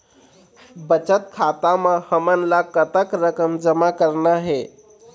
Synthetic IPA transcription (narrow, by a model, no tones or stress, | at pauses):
bət͡ʃət̪̚kʰat̪amẽhəmənlakət̪əkɾəkəmd͡ʒəmakəɾnaɦe